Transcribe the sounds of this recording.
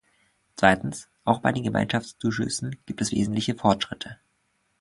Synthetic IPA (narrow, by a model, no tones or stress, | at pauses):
t͡sv̥aɪtn̩s | ʔaʊxb̥aɪdeːnɡəma̰ɪnʃafst͡suːʃʏ̰sn̩ɡ̥iːp̚tɛsv̥ḛːzn̩tlɪçəfɔɐtʃʁ̥ɪtʰə